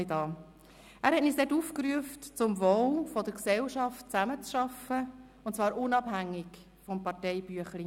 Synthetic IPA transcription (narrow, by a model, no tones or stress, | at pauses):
dɑː | æːɾhɛtniːsd̥ɛtufkɾyəftt͡sʊmvowfɔdəɾksɛlʃɑft̚t͡sæmət͡sʃɑfə | ʊntt͡svɑːɾʔʊnɑbhæŋːɪk | fɔmpɑɾtɛɪb̥yəχli